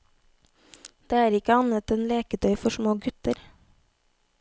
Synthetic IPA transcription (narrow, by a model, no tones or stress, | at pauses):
d̪̥eːæːɾɪkəɑnət̪eːnleːkəd̪œʏfɔʃmoːɡʉt̪əɾ